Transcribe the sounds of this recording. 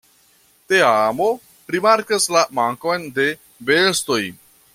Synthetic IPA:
t̪eamo | ɾimaɾkɐslamaŋkojnd̪e | best̪oj

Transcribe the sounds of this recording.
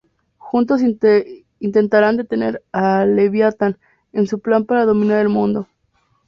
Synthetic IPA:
xunt̪o̞s̬ | int̪e̞nt̪aɾand̪e̞t̪e̞ne̞ɾaleβjat̪an | ensuplampaɾaðo̞mĩnaɾelmũnd̪o̞

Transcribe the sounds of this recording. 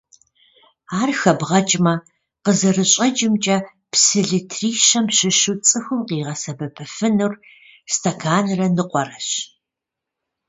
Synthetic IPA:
aːrxɐbʁɐt͡ʃʼmɐ | qəzɐrɨɕʼɐd͡ʒʼɪmt͡ʃʼɐ | psɨɮɨtʰriːɕɐmɕɪʃɨt͡sʼɨxɨmqiːʁɐsɐbɐpʰɨfɨnur | stʰɐkʰaːnrɐnɨqʷʼɔrɐɕ

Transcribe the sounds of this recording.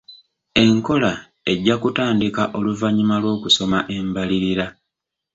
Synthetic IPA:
e̞ŋko̞la | e̞ɟːakutaːndikaʔo̞luvaɲimalwo̞ːkuso̞maʔe̞mbaliɾiɾa

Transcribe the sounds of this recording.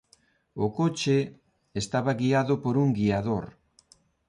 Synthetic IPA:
ʊkot͡ʃe | est̪aβaɣiaðʊpoɾuŋɡiaðoɾ

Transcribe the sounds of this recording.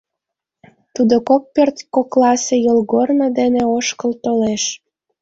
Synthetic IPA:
t̪ud̪okok̚pørt̪koklɑsejolɣornəd̪eneoʃkəlt̪oleʃ

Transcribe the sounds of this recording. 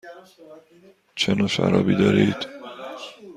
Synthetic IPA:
t͡ʃʰenɒːʃæ̰ɾɒ̰ːbid̪ɒːɾiːd̪̥

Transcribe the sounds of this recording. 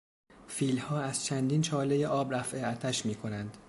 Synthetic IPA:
fiːlhɒːæz̥t͡ʃʰænd̪iːnt͡ʃʰɒːle̞jeʔɒːbɾæfʔeæt̪ʰæʃmiːkʰo̞nænd̪̥

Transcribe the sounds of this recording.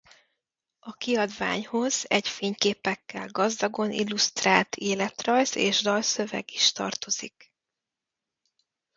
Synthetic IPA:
ɒkiɒd̪va̰ːɲho̞zɛɟfeːɲkeːpɛkːɛlɡɒzd̪ɒɡo̞nʔḭlːust̪raːlt̪ʰeːlɛt̪rɒjzḛːʒd̪ɒlsø̞vɛ̰ɡiʃt̪ɒ̰rt̪o̞z̥ik

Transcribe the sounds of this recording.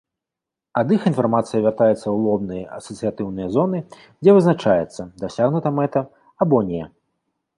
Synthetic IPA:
ɐd̪ixin̪farmat̪sɨjɐvʲart̪ajɛt̪sːɐwlˠɔbnɨjɐɐ̰sɐt̪sɨjat̪ɨwnɨjɐzɔnɨ | d͡zʲɛvɨznat͡ʂajɛt̪sːɐd̪asʲaɣnut̪ɐmɛt̪ɐ | abɔnʲɛ

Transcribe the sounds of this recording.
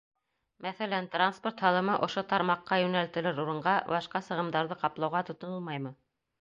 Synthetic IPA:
mæθælænt̪ransport̪hɑlˠɤ̆mɤʔŏʃot̪ɑɾmɑqːɑjʉnælt̪ɘ̆lɘɾuɾɤ̆ɴɢɑbɑʃqɑsɤ̆ʁɤ̆md̪ɑɾðɤqɑplˠɑwʁɑt̪ŏt̪ŏnɤlˠmɑjmɤ

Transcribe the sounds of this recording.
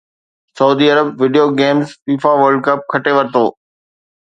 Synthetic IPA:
sɐuːd̪iːɐɾəbʋɪɖijoɡeːmzfiːfaʋəɾɖ̚kəp̚kʰɐʈeʋɐɾt̪oː

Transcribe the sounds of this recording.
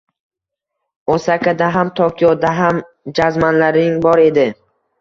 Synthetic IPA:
ɒsakʰʲad̪aɦamt̪ʰɒkʲʰijɒd̪aɦam | d͡ʒazmanlaɾɪŋbɒɾe̞d̪ɪ

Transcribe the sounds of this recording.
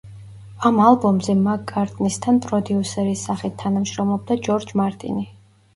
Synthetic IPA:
amalˠbɔmzɛmaɡʼaɾt̪ʼnist̪ʰanpʼɾɔd̪iusɛɾisaχit̪ʰːanamʃɾɔmlˠɔb̚d̪ad͡ʒɔɾd͡ʒmaɾt̪ʼḭni

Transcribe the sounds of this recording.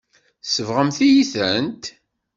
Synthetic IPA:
səvʁəmθijiθənt̪

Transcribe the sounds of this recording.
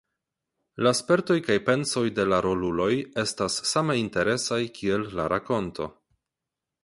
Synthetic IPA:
laspe̞ɾto̞jkajpe̞nso̞jde̞laɾo̞lulo̞je̞stasːameinte̞ɾe̞sajkʰie̞lːaɾako̞ntʰo̞̰

